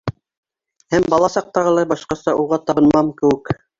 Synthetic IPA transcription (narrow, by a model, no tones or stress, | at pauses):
hæmbɑlˠɑsɑq̚t̪ɑʁɤ̆lˠɑjbɑʃqɑsɑʔuʁɑt̪ɑbɤ̆nmɑmkɘ̆wɘk